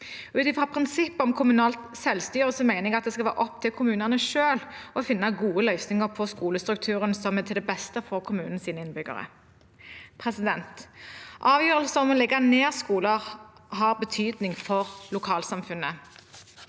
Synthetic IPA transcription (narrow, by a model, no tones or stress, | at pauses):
ʉːt̪ɪfʁɑpʰʁɪnsɪpːɔmkʰʊmʉnɑːlt̪sɛlst̪yːʁəsɔmæɪnɪɡɑt̪̚d̪ɛskɑlʋæːɾʔɔp̚ːt̪ʰɪlkʰʊmʉːnəʁnəʃøːlʔɔfɪnːɑɡuːəlœʏsnɪŋəʁpʰɔskuːləst̪ʁʉk̚t̪ʰʉːʁənsɔmɛt̪ʰɪld̪ɛbɛst̪əfɔʁkʰʊmʉːnn̩siːnəɪnbʏɡə̰ʁə̰ | pʰʁɛsɪd̪ɛnt̪ʔɑːʋjøːʁəlsəɔmɔlɛɡɑneːʁskuːləʁɦɑʁbət̪ʰyːd̪nɪŋfɔʁlʊkʰɑːlsɑmfʉnːə